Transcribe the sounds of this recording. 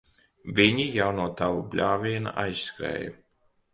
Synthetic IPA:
vʲiɲijawnuɔt̪avublʲaːvʲiɛna̰ʔajsskɾɛ̰ːja̰

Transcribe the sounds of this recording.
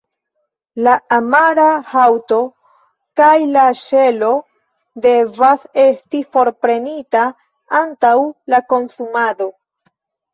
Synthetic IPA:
laːmaɾahawto̞ | kajlaʃe̞lo̞ | de̞vase̞stifo̞ɾpɾe̞nita | antawlako̞nsumado̞

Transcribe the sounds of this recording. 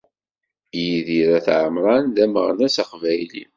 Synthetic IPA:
jiðiɾæθʕəmɾˤɑnðæməʁnæsaqvæjlḭ

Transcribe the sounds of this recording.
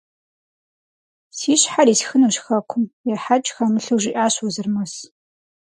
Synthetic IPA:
siːɕħariːsxɨnuɕxɐkʷʰʊmjɛrħat͡ʃʼxamɨɬɨwʒɪʔaːɕwɔzɨrmɐs

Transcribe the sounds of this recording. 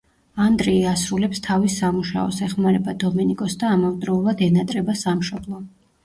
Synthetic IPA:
and̪ɾɛiasɾulɛpst̪ʰavisamuʃa̰ɔ̰sɛχmaɾɛbad̪ɔmɛnikʼɔsd̪aːmɔvd̪ɾɔulˠad̪ɛnat̪ʼɾɛbasamʃɔblˠɔ

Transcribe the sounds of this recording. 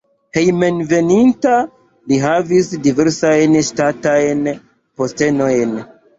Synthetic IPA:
he̞jme̞nve̞ninta | liɦavisdive̞ɾsajnʃtatajn | po̞ste̞no̞jn

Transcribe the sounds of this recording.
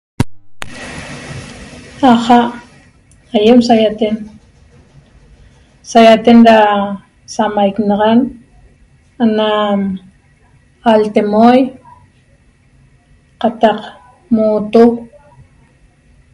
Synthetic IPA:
aχaʔ | ajemsajat̪en | sajat̪enɾa | samajknɑʁɑn | anam | alt̪emoj | qɑt̪ɑq | mut̪o

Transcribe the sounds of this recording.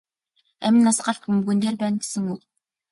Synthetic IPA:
æmʲɘ̆nːasɢaɬt̪̚xɵmɡɵ̆nt̪eːrpæːnɡe̥sɘ̆ŋʊk

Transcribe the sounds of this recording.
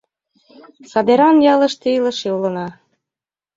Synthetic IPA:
sɑd̪eɾɑnjɑlə̆ʃt̪ilɤ̆ʃeulɤ̆nɑ

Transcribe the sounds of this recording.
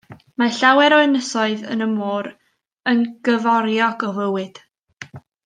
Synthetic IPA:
maɬawɛɾɔɨnəsɔɨðə̰nəmoːɾ | ənɡ̥əvɔɾjɔɡɔvəwɨd̥

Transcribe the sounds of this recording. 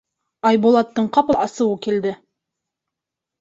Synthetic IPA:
ɑjbolˠɑt̪ːɤɴqɑpɑsɤ̆wɤkild̪ɘ

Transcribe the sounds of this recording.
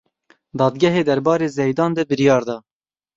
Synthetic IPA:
d̪ɑːd̪ɡʲɛɦeːd̪ɛɾbɑːɾeːzɛjd̪ɑːnd̪ɛbɨɾijɑːɾd̪ɑː

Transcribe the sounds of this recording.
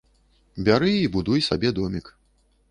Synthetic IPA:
bʲaɾɨibud̪ujsabʲɛd̪ɔmʲik

